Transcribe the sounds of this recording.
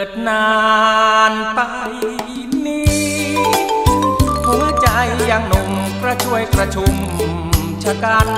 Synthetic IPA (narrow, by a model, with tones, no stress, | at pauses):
t̪̚naː˧ | npa˧j | niː˦ | hu˨˦nt͡ɕa˧jːaː˧˩ŋno˧˩ŋkɾa˧t͡ɕʰu˧əjkɾa˧t͡ɕʰu˧˩m | t͡ɕʰa˧kaː˧˩n